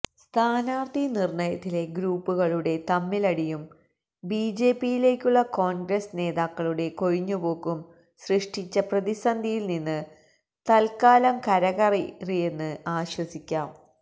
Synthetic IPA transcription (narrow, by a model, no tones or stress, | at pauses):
st̪ʰaːnaːrt̪ʰinirɳɐjɐt̪ːile̞ɡɾuːpːuɣɐɭuɽe̞t̪ɐmːilɐɽijum | biːd͡ʑe̞ːpːijile̞ːkʲːuɭːɐko̞ːnɡɾɐsne̞ːðaːkːɐɭuɽe̞ko̞ɻiɲːubo̞ːkːum | srɨʂʈit͡ɕːɐprɐðisɐnd̪ʱijilninːɨ | t̪ɐlkaːlɐmkɐɾɐɣɐririje̞nːɨaːɕwɐsikʲːaːm